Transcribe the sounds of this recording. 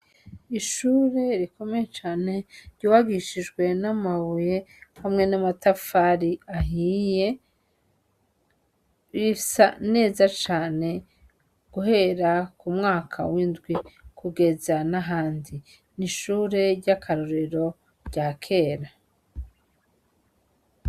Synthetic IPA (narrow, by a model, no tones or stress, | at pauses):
iʃuːɾe̞ɾiko̞me̞jet͡ʃaːne̞ɾɟ̥oːwaɡiʃid͡ʒɡwe̞namaβujehamŋe̞namatafaɾiaɦiːje | βifi̥sane̞ːzat͡ʃaːne̞ | ɡ̥uɦe̞ɾakumŋaːkʰa̰wiːnzɡwikʰuɡe̞zanaɦaːndi | niʃuːɾe̞ɟakʰaɾoɾiɾo̞ | ɟakʰe̞ːɾa